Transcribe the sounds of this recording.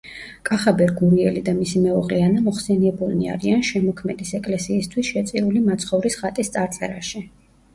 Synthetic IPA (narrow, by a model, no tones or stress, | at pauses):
kʼaχabɛɾɡuɾiɛlid̪amisimɛɔʁlianamɔχsɛniɛbulnia̰ɾianʃɛmɔkʰmɛd̪isɛkʼlɛsiːst̪ʰwisʃɛt̪sʼiɾulimat̪sʰχɔvɾisχat̪ʼist̪sʼaɾt̪sʼɛ̰ɾaʃi